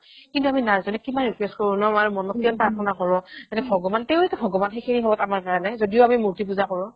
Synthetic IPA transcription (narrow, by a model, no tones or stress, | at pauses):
kintuaminazɔnɛkimanɹikwɛstkɔɹũnɔmaɹumɔnɔt̚ianpaakʰɔnakɔɹɔatɛbʱɔɡɔbantɛʊetɛbʱɔɡɔbanxejkʰiniɦɔbɔtamaɹkaɹanajzodijoʊamimuɹtipuzakɔɹɔ̃